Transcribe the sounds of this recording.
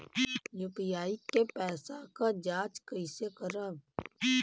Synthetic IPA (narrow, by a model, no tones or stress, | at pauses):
jupijaːikːepɛːsakad͡ʒaːt͡ʃkəɪsekəɾəb